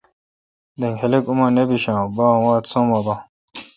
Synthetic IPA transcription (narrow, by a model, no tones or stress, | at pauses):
d̪eŋxelekumanebiɕãbãwaːt̪sõmaba